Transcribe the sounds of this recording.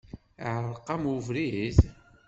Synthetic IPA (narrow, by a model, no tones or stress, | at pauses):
ʕəɾˤqːɑmuvɾiz